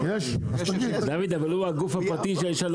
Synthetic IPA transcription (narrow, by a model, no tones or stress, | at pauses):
jeʃɐɡid̪avid̪avaluaɡufhapʁat̪iʃeaiʃal